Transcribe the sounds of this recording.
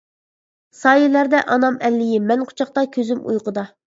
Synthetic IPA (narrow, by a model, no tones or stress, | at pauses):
sɑːjɪlæɾd̪ɛʔɑnɑmɛlːɪjɪmɛnqʰʊ̥t͡ʃʰɑq̚t̪ɑkʲʰøzymṵjqʰəd̪ɑ